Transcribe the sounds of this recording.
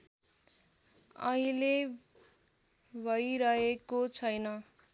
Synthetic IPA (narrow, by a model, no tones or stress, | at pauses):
ʌ̰ɦĩle | bʱʌjɾʌɦekot͡sʰʌjnʌ